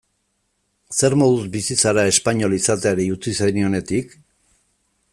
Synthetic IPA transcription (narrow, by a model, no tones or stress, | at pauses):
se̞ɾmo̞ðuzbisit͡saɾae̞spaɲo̞lisat̪eaɾeut͡sisenio̞ne̞t̪ik